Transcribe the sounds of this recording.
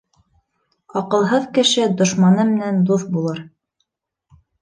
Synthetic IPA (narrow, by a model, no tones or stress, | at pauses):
ɑqɤ̆lˠɦɤðkɘ̆ʃɘd̪ŏʃmɑnɤmɘ̆nænd̪uθbulˠɤɾ